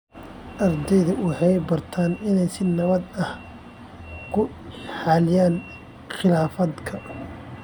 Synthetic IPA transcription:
ʔɐrd̪ɛjðɐʊħɑjbɐrt̪ʰaːnɪnɛjsɪnɐβɐd̪ɐh | kʰʊħaːlɪjaːn | xɪlaːfɐd̪kʰɐ

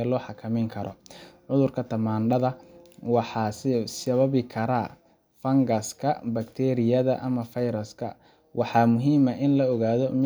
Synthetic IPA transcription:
ɛlɔːħɑkʰɐmɛjŋkʰɐɾɔ̰ʕʊðʊrkʰɐt̪ʰɐmaːnɖɐðɐwɑħɑːssɐβɐβɪkʰɐɾa | fɐŋɡɐskʰɐbɐkt̪ʰɛːɾɪjɐðɐʔɐmɐfɐjɾɐskʰɐ̰ | wʔɑħɑːmʊɦiːmɐʔɪnlɐɔɣaːðɔm

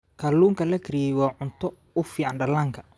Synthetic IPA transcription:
kʰaluːŋkʰɐlɐkʰɪɾijɛjwɑːʕʊnt̪ʰɔ | ʊfiːʕanɖɐlaːŋkʰɐ̥

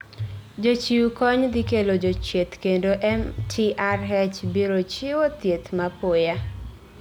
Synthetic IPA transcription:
d͡ʒot͡ʃiukɔɲd̪ɪkelod͡ʒot͡ʃet̪kendoʔɛmtʰiarɦɛt͡ʃbiɾot͡ʃiwot̪jet̪mapoja

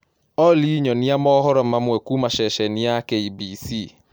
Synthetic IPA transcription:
ɔliɲɔniamɔhɔɾɔmamwɛkumaʃɛʃɛniakeibisi

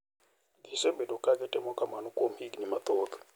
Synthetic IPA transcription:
kisɛbɛdɔkʼakɛtʼɛmɔkʼamanukʼom̩hiɡnimat̪ɔːt̪ɔ̥

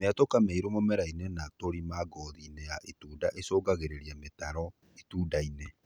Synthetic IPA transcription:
meatokameiɾomomɛɾainenatoɾimaɡɔðinejaʔetuːdaʔesoːɡaɣeɾeɾiametaɾɔ | etuːdaine

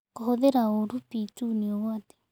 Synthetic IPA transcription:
kohoðeɾaoɾupituniɔwate̥

